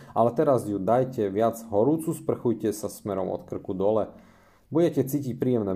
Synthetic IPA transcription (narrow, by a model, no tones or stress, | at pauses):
ʔalɛt̪ɛɾazjud̪ajcɛʋɪad͡zɦɔɾuːt͡suspr̩xujcɛsasmɛɾɔmʔɔ̰t̪kr̩kud̪ɔlɛ | buɟɛcɛt͡siːcic̚pɾiːjɛmnɛː